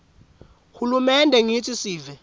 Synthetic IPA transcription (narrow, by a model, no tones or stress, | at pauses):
hulumɛndʱɛŋit͡sʰʼisiːvɛ